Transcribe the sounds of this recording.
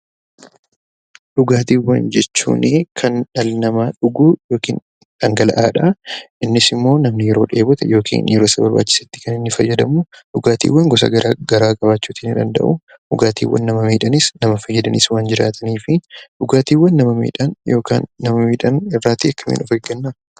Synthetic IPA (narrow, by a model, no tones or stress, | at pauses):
ᶑʊɡaːt̪iːwːɐnd͡ʒɛt͡ʃːṵːnʔɪkʰɐnᶑɐlnɐmaᶑʊɡuːjo̞ːkḭːn | ᶑɐŋɡɐlɐ̰ʔaːᶑɐʔɪnːɪsɪmːo̞ːnɐmnɪjɛɾo̞ːᶑe̞ːbʊt̪ɛjo̞ːkʰḭːnjɛɾo̞ːsɐbɐɾba̰ːt͡ʃːɪ̥sɐt̪ːɪ̥kɐnɪnːɪfɐjːɐd̪ɐmuᶑʊɡaːt̪ḭːwːɐŋɡɔs̬ɐ̰ɡɐɾaɡɐɾaːkʼɐbaːt͡ʃːuːt̪iːnɪd̪ɐnd̪ɐ̰ʔʊ | ᶑʊɡaːt̪ḭːwːɐ̰nːɐmɐmiːᶑɐnɪsnɐmɐfɐjːɐd̪ɐnḭswaːnd͡ʒɪɾa̰ːt̪ʰɐniːfɪᶑʊɡaːt̪iːwːɐnːɐmɐmḭːᶑɐnjoːka̰ːnːɐmɐmiːᶑɐnɪrːaːt̪ːiɐkːɐmḭːnʔɔfeɡɐnːa